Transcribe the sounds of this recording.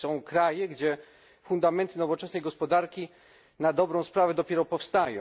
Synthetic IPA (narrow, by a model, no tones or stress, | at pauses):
sɔ̃w̃kɾajɛɡd͡ʑɛ | fund̪amɛnt̪ɘnɔvɔt͡ʂɛsnɛjɡɔspɔd̪aɾkʲi | nad̪ɔbɾɔ̃w̃spɾavɛd̪ɔpʲɛɾɔpɔfst̪ajɔ̰̃